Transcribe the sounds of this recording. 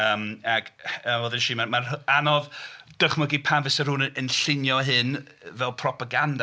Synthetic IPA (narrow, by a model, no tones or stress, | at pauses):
əːmaɡəvoːðɪnʃiːmamaranɔvd̥əχməɡipʰamvɪsəruːnəənɬɪnjɔɦɨn | vɛlˠpʰrɔpʰaɡanda